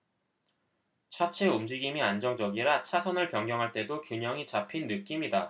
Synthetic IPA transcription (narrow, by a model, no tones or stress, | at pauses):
t͡ɕʰat͡ɕʰeumd͡ʑiɡimiand͡ʑʌŋd͡ʑʌɡiɾat͡ɕʰasʰʌnɯɭpjʌŋɡjʌŋɦaɭt͈e̞dokjuɲʌŋit͡ɕapʰinːɯk͈imida